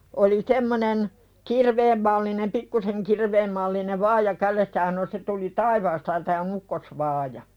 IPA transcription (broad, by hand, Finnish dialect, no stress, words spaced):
oli semːonen kirʋeːm mɑlːinem pikːuseŋ kirʋeːm mɑlːineʋ ʋɑːjɑ kælesːæ jɑ sɑno se tuli tɑiʋɑːstɑ jɑ tæː on ukːosʋɑːjɑ